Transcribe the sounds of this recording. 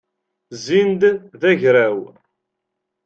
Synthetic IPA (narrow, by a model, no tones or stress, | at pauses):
zind̪ðæʝɾæw